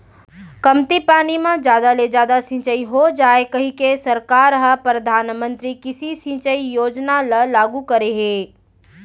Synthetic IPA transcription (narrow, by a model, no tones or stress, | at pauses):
kɐmt̪ipaːnimãd͡ʒjaːd̪aled͡ʒaːd̪asɪ̃t͡ʃəiɦod͡ʒaːekɐɦĩkesɐɾkaːɾɦəpɾɐd̪ʱaːnmə̃nt̪ɾikɪsisĩt͡ʃəijoːd͡ʒnaləlaːɡukɐɾeɦeː